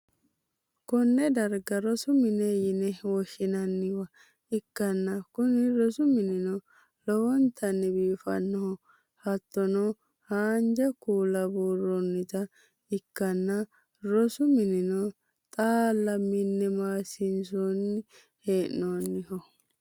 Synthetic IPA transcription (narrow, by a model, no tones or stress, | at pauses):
kɔnːɛd̪ɐɾɡɐɾɔsʊmɪnejɪnɛwɔʃɪnɐnːɪwɐ | ɪkːɐnːɐkʊnɪɾɔsʊmɪnɪnɔ | lɔwɔnt̪ʰɐnːɪbiːfɐ̰nːɔhɔ | hɐt̪ːɔno | haːnd͡ʒɐkuːlɐbuːrːɔnːɪt̪ɐ | ɪkːɐnːɐ | ɾɔsʊmɪnɪno | t̪ʼaːlːɐmːɪnːɛmaːsɪnsonːɪ | heːnːoːnːɪhɔ